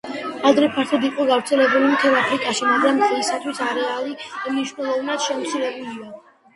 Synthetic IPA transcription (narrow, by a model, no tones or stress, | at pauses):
ad̪ɾɛpʰaɾt̪ʰad̪iqʼɔɡavɾt̪sʰɛlɛbulimt̪ʰɛɾapʰɾikʼaʃimaɡɾamt̪ʼɛlisat̪ʰwisaɾɛalimniʃwnɛlˠɔvnad̪̥ʃɛmɔt̪sʰilɛbulia